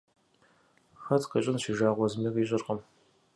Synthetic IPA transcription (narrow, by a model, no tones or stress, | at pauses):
xɐtʰqɐɕʼɪnʃiʒaːʁʷɔzmiːʁiːɕʼɪrqəm